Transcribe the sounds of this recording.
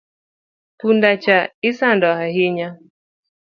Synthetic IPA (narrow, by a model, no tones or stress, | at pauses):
pundat͡ʃaisandɔhaɦiɲa